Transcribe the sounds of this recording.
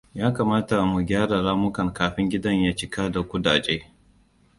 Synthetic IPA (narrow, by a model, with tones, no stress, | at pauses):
jaː˦kaː˨maː˦ta˨mu˨ɡʲaː˦ɽa˨ɽaː˦mʊ˦kɐ˨ŋkaː˨ɸɪ˦ŋɡʲɪ˦dɐ˦ɲjaː˦t͡ʃɪ˦kaː˦da˨kʷʊ˦daː˨d͡ʒeː˦